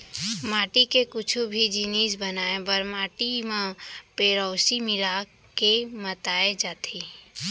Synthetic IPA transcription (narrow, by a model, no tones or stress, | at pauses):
maːʈikekʊt͡ʃʰubʱid͡ʒiniːs̬bənaːebəɾmaːʈimãpeːɾɔːsimɪla | kemət̪aːed͡ʒaːt̪ʰe